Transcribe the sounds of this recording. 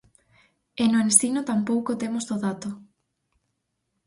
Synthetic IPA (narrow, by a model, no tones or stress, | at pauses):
enʊensinot̪ampowkot̪emozðoðat̪ʊ